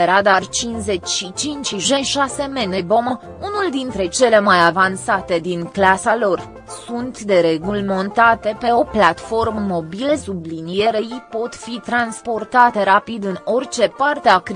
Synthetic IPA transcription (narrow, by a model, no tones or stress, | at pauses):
eɾad̪art͡ʃinze̞t͡ʃʲʃit͡ʃint͡ʃiʒeʃase̞menebo̞mə | unuld̪int̪ɾe̞t͡ʃe̞le̞majavansat̪e̞d̪inklasalo̞r | sunt̪d̪e̞ɾe̞ɡulmo̞nt̪at̪e̞peo̞plat̪fo̞rməmo̞bile̞sublinijeɾeipo̞t̪fit̪ɾanspo̞rt̪at̪e̞ɾapid̪ɨno̞rt͡ʃe̞part̪eakɾ